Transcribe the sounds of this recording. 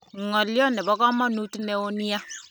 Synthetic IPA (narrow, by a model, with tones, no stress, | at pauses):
ŋɔ˨ljɔ˦nɛ˨bɔ˦kɔ˦mɔ˦nu˦tu˦ne˨˦o˦ni˦ja˦